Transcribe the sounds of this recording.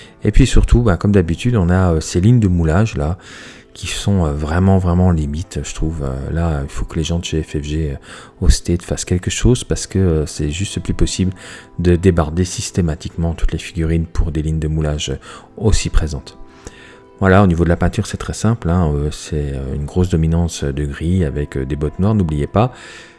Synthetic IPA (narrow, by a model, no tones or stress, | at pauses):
epɥisyʁt̪ʰubɛ̃kɔmd̪abit̪yd̪ɔ̃naøseliɲd̪əmulaʒla | kʲʰisɔ̃øvʁɛmɑ̃vʁɛmɑ̃limit̪ʒ̥ət̪χuvø̰lailfokəleʒɑ̃d̪əʒeɛfɛvʒeø | ost̪et̪ə̥faskʲɛlkəʃozpaʁsə̥kəøsɛʒyst̪əplypɔsibld̪əd̪ebaʁd̪esist̪emat̪ikmɑ̃t̪u̥t̪lefiɡʲyʁinpʰuʁd̪eliɲd̪əmulaʒø | osipχezɑ̃t̪ | vwalaonivod̪əlapɛ̃t̪yʁsɛt̪χɛsɛ̃plɛ̃øsɛøynɡʁosd̪ɔminɑ̃sød̪əɡʁiavɛkød̪ebɔt̪nwaʁnublijepa